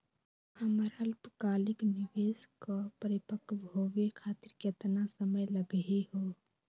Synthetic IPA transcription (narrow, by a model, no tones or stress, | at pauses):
əməɾəlpkaːlɪknɪʋeːzkapəɾɪpəkʰbʱoːʋekʰaːt̪ɪɾket̪nasəməjləɡɦeɦoː